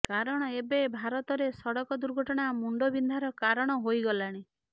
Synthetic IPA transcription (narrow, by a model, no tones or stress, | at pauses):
kaɾɔɽ̃ɔebebʱaɾɔt̪ɔɾesɔɽɔkɔd̪uɾɡʱɔʈɔɽ̃amuɳɖobind̪ʱaɾɔkaɾɔɽ̃ɔɦojɡɔlaɽ̃i